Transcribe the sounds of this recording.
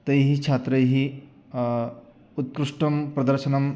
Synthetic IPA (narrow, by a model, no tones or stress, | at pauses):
t̪əjɦit͡ʃʰat̪ɾɐjɦi | ut̪̚kɾuʂʈɐmpɾɐd̪əɾʃɐnɐm